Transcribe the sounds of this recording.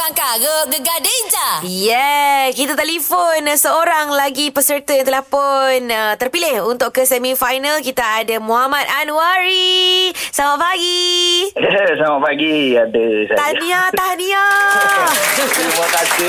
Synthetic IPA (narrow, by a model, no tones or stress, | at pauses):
aŋkaɡəɡəɡaded͡ʒajɛkit̪at̪aʔlifonsəoɾaŋlaɡipəsərt̪uant̪elahponət̪ərpilɪhunt̪ʊʔkəsɛmifajnalkit̪aːdamõɦamat̪̚anuwaɾi | samapaɡi | samapaɡiadəsaaniat̪ania | libakasi